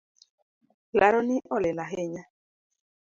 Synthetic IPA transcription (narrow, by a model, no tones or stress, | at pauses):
laɾɔniʔɔlelaɦeɲa